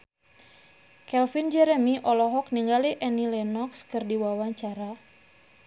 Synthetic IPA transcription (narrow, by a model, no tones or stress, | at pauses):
kɛlfind͡ʒɛɾɛmiʔɔlɔɦɔk̚niŋɡaliʔɛnilɛnɔkskɨrdiwawaɲt͡ʃaɾa